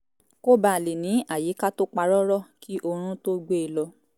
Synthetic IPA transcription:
ko˦ba˦˨le˨nĩ˨˦a˦˨ji˨˦ka˦to˦k͡pa˧ɾɔ˦ɾɔ˦˨kʰi˦ʔo˧ɾ̃ũ˦to˦ɡ͡be˦˨lɔ˧˦

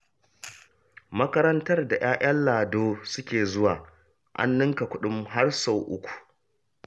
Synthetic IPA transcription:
mɐ˦kɐ˦ɾɐ˦ntɐ˦rda˨j̰aː˦ʔɐ˦nlaː˨doː˦sʊ˦kʲeː˨zʊ˦waː˨ | ʔa̰˦nːɪ˦ŋka˨kʷʊ˦ɗʊ˦mɦa˦rso˨wʔʊ̰˦kʷu̥˨

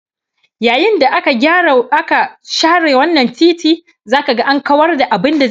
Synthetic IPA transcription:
jaː˨jɪ˦nda˨ʔʔa˦ka˨ʃaː˦ɽeː˨wɐ˦nːɐ˨ntiː˦tiː˦ | zaː˦ka˨ɡa˦ʔa˦ŋkɐ˦wɐ˦rda˨ʔa˨bɪ˦nda˨

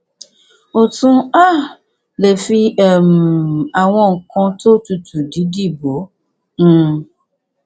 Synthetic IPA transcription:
o˨tũ˦a˦ | le˨fi˦ɛ˨m˨a˨wɔ̃˦˨ŋ̩˨kɔ̃˦to˦tu˨tʰu˨di˦di˦bo˨˦ | n̩˦˨

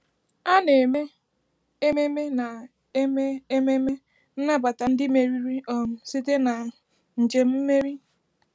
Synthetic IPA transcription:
a˦ne˨me˦ | e˦me˦me˦na˨ | e˦me˦e˦me˦me˦ | n̩˦na˦ba˨ta˨n̩˦dɪ˦me˨ɾi˦ɾi˦ɔ˨m̩˦si˦te˦na˨ | n̩˨d͡ʒe˨m̩˦me˦ɾi˦

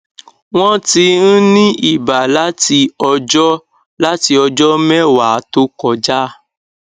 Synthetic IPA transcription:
w̃ɔ̃˦ti˧n̩˦nĩ˦ʔi˦˨ba˨la˦ti˧ɔ˧d͡ʒɔ˦ | la˦ti˧ɔ˧d͡ʒɔ˦mɛ˦˨wa˨˦to˦kɔ˦˨d͡ʒa˦˨

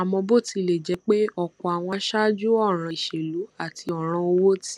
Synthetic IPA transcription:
a˨mɔ̃˧bo˦˨ti˧le˨d͡ʒɛ˧˦k͡pe˦ɔ˦˨kɔ˨a˨w̃ɔ̃˧ʃa˦d͡ʒu˦ɔ˦˨ɾ̃ã˧˨ʃe˨lu˨˦a˦˨ti˧ɔ˨ɾ̃ã˧o˧wo˦ti˦

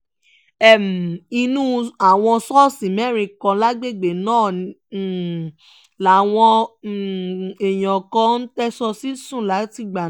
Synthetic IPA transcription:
ɛ˦˨m˨i˧nũ˦a˨w̃ɔ̃˧sɔ˦sĩ˨mɛ˦˨ɾ̃ĩ˧kɔ̃˧la˦ɡ͡be˦˨ɡ͡be˨nãː˦˨nĩ˨˦˨ | la˨˦˨w̃ɔ̃˧˨ | e˨j̃ɔ̃˨kɔ̃˧˦n̩˦tɛ˦sɔ˧si˦sũ˦˨la˨˦ti˦˨ɡ͡ba˨

